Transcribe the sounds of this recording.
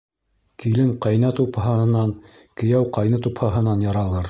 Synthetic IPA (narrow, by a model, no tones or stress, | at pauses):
kilɘŋqɑjnɑt̪uphɑɤ̆nɑn | kɘ̆jæwqɑjnɤt̪uphɑɦɤ̆nɑnjɑɾɑlˠɤɾ